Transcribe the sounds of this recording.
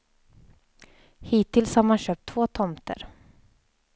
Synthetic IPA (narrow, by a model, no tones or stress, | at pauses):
hiːt̪ʰːɪlshaɾmanɕøːp̚t̪ʰv̥oːt̪ʰɔmt̪ʰə̰ɾ